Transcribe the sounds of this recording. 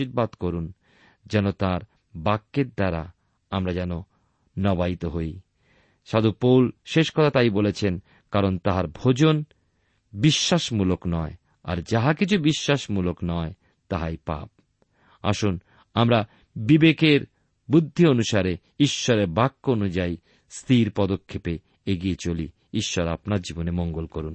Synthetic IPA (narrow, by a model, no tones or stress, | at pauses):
iɾbad̪koɾun | d͡ʑɛnot̪aɾ | bakːeɾd̪aɾa̰ | amɾad͡ʑɛno | nɔbait̪oɦoj | ʃad̪upowlʃeʃkɔt̪ʰat̪ajbolet͡ɕʰen | kaɾont̪aɦaɾbʱod͡ʑon | biʃːaʃmuloknɔe | a̰ɾd͡ʑaɦakit͡ɕʰubiʃːaʃmuloknɔe | t̪aɦajpa̰p̚ | a̰ʃun | amɾa | bibekeɾ | bud̪ʱːionuʃaɾe | iʃːɔɾeɾbakːoonud͡ʑaj | st̪ʰiɾpɔd̪okʰːepe | eɡiet͡ɕoli | iʃːɔɾa̰pnaɾd͡ʑibonemoŋɡolkoɾun